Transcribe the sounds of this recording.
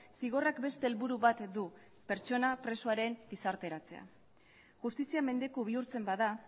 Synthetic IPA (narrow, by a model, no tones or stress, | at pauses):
siɣ̞o̞rakbe̞st̪e̞ːlβuɾuβat̪d̪u | pe̞ɾt͡ʃo̞napɾe̞soaɾe̞mbisaɾt̪e̞ɾat͡se̞̰a̰ | ʝust̪isiame̞nd̪e̞koβ̞iuɾt͡se̞mbaða